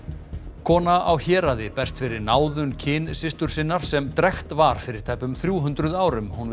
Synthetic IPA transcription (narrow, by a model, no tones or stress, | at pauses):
kʰɔːnaʔawçɛːɾaðɪpɛr̥st̪fɪɾɪɾnaːwðʏncʰɪːnsɪst̪ʏɾ̥sɪnːaɾ̥sɛmt̪ɾɛxt̪vaɾ̥fɪɾɪɾ̥t̪ʰaːjpʏmθɾjuːɦʏnt̪ɾʏðaːwɾʏmhun